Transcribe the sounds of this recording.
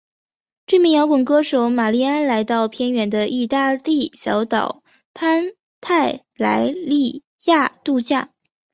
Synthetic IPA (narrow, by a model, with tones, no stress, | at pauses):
ʈ͡ʂy˥˩mi˧˥ŋjɑ˧˥ʊkə˨˩ŋkɤ˥ʂo˧˥ʊma˨˩li˥˩a˥nla˧˥ɪt̪ɑ˥˩ʊpʰjɛ˥nɥɛ˧˥nd̪ə˧ʔi˥˧t̪a˥˧li˥˩ɕjɑ˧˥ʊt̪ɑ˨˩ʊ | pʰa˥n | t̪ʰa˥˩ɪ | la̰˧˥ɪli˥˧ | ja˥˧t̪u˥˧t͡ɕja˥˩